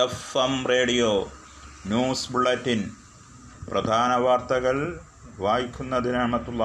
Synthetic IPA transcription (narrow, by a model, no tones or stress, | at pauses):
efɐmre̞ːɽijo | njuːsbuɭːɐtːin | prɐd̪ʱaːnɐʋaːrt̪ɐɣɐɭ | ʋaːjikʲːunːɐðinɐmɐt̪ːulːaː